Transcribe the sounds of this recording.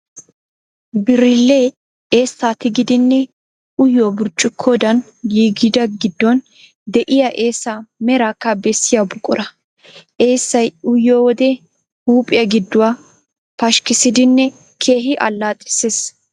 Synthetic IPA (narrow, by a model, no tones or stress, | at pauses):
bɪɾɪlːe | e̞ːsːaːt̪ɪɡɪd̪ɪnːɛ | ʊjːoːbʊɾt͡ʃʼːʊkʰːoːd̪ɐn | jiːɡɪd̪ɐɡɪd̪ːɔn | d̪ɛʔɪjɐʔe̞ːsːamɛɾakːɐbɛsːɪjabʊkʼɔɾɐ | ʔeːsːɐjʊjːoːwɔd̪ɛ | huːpʼɪjɐɡɪd̪ːʊwaː | pɐʃkɪsɪd̪ɪnːɛ | kʰe̞ːɦɪʔɐ̰lːaːt̪ʼɪ̥ses